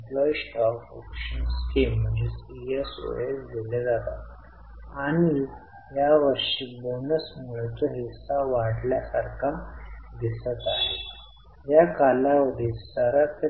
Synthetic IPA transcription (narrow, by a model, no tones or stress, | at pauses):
plɔjsʈɔko̰kɕənskem̤ːəɳd͡ʑesieso̰elɡ̪eled͡zat̪at̪ | aɽ̃i | jaʋəɾʂiːbonəsmuɭt͡səɦisaʋaɽljasaɾkʰad̪isət̪aɦe | jakalaʋəd̪isəɾat̪